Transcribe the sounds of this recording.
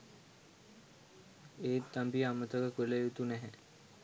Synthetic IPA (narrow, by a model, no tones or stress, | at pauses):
eːt̪ːambiamət̪əkəkʋeləjut̪unɛɦɛ